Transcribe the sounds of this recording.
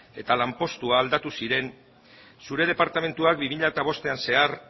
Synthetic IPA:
e̞t̪alampo̞st̪uaːld̪at̪usiɾe̞n | suɾe̞ð̞e̞paɾt̪ame̞nt̪uak̚bimiʎat̪aβ̞o̞st̪e̞anse̞ar

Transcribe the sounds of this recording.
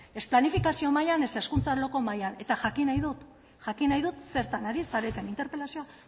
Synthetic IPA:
e̞splanifikasio̞majane̞se̞skunt͡salo̞ko̞majane̞t̪aʝakinajðut̪ | ʝakinajðut̪se̞ɾt̪anaɾisaɾet̪e̞nint̪eɾpe̞lasioa

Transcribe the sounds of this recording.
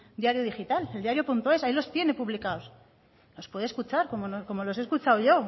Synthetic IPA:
d̪jaɾjoðixit̪aleld̪jaɾjopunt̪oe̞sailo̞st̪je̞ne̞puβlikaos | no̞spwe̞ðeskut͡ʃaɾkomonoko̞mo̞lo̞s̬e̞skut͡ʃawʝo̞

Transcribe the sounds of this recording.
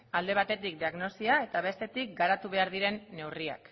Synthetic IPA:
ald̪e̞β̞at̪e̞t̪ik̚d̪iaɣno̞siae̞t̪aβ̞e̞st̪e̞t̪ik̚ɡaɾat̪uβ̞e̞aɾð̞iɾe̞nːe̞wria̰k

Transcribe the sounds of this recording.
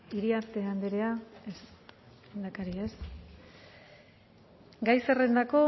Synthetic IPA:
iɾiaɾt̪e̞and̪eɾe̞aes | end̪akaɾies | ɡajse̞re̞nd̪ako̞

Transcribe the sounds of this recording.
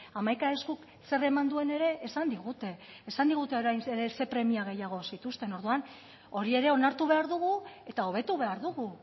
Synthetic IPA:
amajkaeskuk | se̞re̞mand̪ue̞ne̞ɾe̞ʔːsand̪iɣut̪e̞ː | sand̪iɣ̞ut̪e̞oɾajnseɾe̞se̞pɾe̞miaɣ̞e̞jaɣ̞o̞sit̪ust̪e̞no̞ɾðuan | o̞ɾie̞ɾe̞o̞naɾt̪uβ̞e̞aɾðuɣ̞ue̞t̪ao̞β̞e̞t̪uβe̞aɾðuɣu

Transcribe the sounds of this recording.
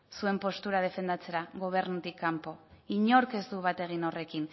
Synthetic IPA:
sue̞mpo̞st̪uɾað̞e̞fe̞nd̪at͡se̞ɾaɣo̞β̞e̞ɾnut̪ikːampo̞iɲo̞ɾke̞zd̪uβ̞at̪e̞ɣ̞ino̞re̞kin

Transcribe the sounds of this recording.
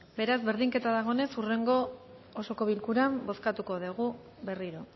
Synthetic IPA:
be̞ɾazβe̞ɾðiŋke̞t̪aðaɣ̞o̞ne̞sure̞ŋɡo̞ | oso̞ko̞βilkuɾambo̞skat̪uko̞ðeɣ̞u | be̞riɾo̞

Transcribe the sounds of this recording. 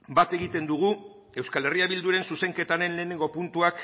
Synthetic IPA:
bat̪e̞ɣ̞it̪e̞nd̪uɣ̞u | e̞wskale̞riaβild̪uɾe̞nsuse̞ŋke̞t̪aɾe̞nle̞ːne̞ŋɡo̞punt̪uak

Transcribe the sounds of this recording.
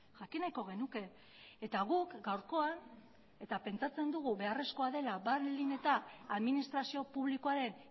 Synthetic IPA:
ʝakinajko̞ɣ̞e̞nuke̞ | et̪aɣukɡawɾko̞an | e̞t̪ape̞nt͡sat͡se̞nd̪uɣ̞uβe̞are̞sko̞aðe̞labaɾline̞t̪aːðminist̪ɾasio̞puβlikoaɾe̞n

